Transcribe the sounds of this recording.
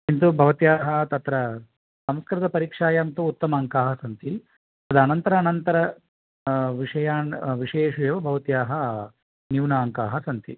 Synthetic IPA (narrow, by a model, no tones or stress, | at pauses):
int̪ubʱɐʋɐt̪jaːɦɐt̪ɐt̪ɾɐ | sɐmskɐɾɐd̪ɐpɐɾiːkʂaːjamt̪uːt̪ːɐmɐːŋkaːɦɐsɐnt̪i | ɐd̪ɐɐnɐnt̪ɐɾɐːnɐnt̪ɐɾɐ | ʋiʂɐjaːɳʋiʂeeːʂujɐʋɐbʱɐʋɐt̪jaːɦɐ | njuːnaːŋkaːɦɐsɐnt̪ḭ